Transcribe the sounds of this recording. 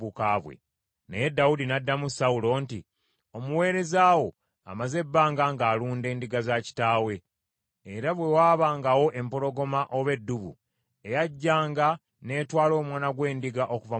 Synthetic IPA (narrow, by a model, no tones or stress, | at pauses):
ukaβwḛ | nḛje̞dːawudinadːamusawulo̞ːntḭ | o̞muwe̞ːɾe̞zaːwo̞ | a̰maze̞bːaːŋɡaːŋɡaːluːnde̞ːndiɡazaci̥taːwe̞ | eɾaβwe̞waːβaːŋɡawo̞ʔe̞mpo̞ɾo̞ɡo̞maʔo̞βe̞dːuβṵ | e̞jaɟːaːŋɡa | ne̞ːtwaːlo̞ːmwaːnaɡwe̞ːndiɡaʔo̞kuva